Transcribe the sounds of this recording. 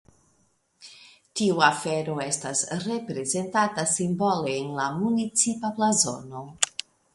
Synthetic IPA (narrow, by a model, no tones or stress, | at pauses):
tiuafe̞ɾo̞e̞stasɾe̞pɾe̞ze̞ntatasimbo̞leːnlamunit͡sipaplazo̞̰no̞